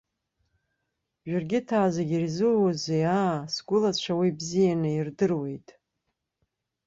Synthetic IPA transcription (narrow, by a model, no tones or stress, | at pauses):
ʒᶣarɡʲɪtʰaːzaɡʲirzɨzeasɡʷʊlat͡ɕʷʰawibzijanɨirdɨrwe̞jtʼ